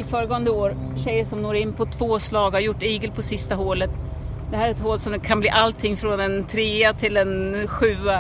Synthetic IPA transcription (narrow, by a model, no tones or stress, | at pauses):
ɪfœːɾəɡɔːənd̪əoːɾ | ɕɛjːəʂɔmnoːɾɪnːpʰɔt̪ʰv̥oːslɑːɡhaɾjʊʈːiːɡəlpʰɔsɪst̪aɦoːlət̪ | d̪ɛhæːɾæɾɛt̪hoːlsɔmkʰanblḭːʔalt̪ʰɪŋːfɾɔnɛnt̪ʰɾeːat̪ʰɪld̪ɛnɧʉ̟ːa